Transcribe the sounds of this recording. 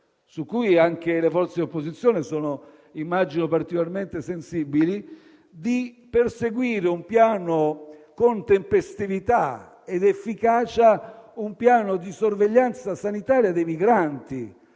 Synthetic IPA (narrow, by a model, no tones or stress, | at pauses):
sukːujaŋk̟elefɔrt̪sed̪opːozit̪sːjɔːnesɔːnʊ | imːad͡ʒinopaɾt̪ikolarment̪esensibili | d̪i | perseɡwiːɾeumpjaːnokont̪empest̪ivit̪a | ed̪efːikaːt͡ʃaumpjaːnod̪isorveʎːant̪sasanit̪aːɾjad̪ejmiɡɾant̪i